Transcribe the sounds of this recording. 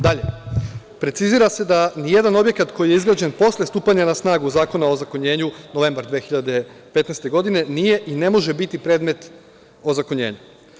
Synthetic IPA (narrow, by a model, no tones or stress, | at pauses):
d̪aʎe̞ | pɾe̞t̪siziːɾase̞d̪anije̞d̪ano̞bje̞kat̪kʰo̞jijeizɡɾad͡ʑe̞npo̞slˠest̪uːpaɲanasnaːɡuzaːko̞nao̞zakoɲe̞ːɲuno̞ʋe̞mbaɾd̪ʋexiʎad̪e̞pe̞t̪najst̪e̞ɡo̞d̪ine̞nije̞ʔine̞mo̞ʒe̞bit̪ipɾe̞ːd̪me̞t̪ | o̞zakoɲe̞̰ːɲu